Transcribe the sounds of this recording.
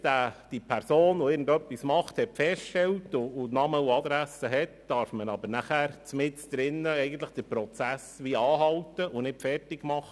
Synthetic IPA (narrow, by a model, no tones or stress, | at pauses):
d̥æːd̥ipʰæɾsoːnʊɪːɾɡn̩dœpːismɑχt̪hɛtfɛsʃttɛltʊːnɑməuɑd̪ɾæsəɦɛtd̥ɑɾfmənɑbəɾnæχæːɾt͡smɪt͡sd̪̥ɾɪnːəɛɪɡən̩t̪ləχd̥əɾpɾɔt͡sæsʋiɑːɦɑltəʔʊnɪtfɛrtɪɡmɑχə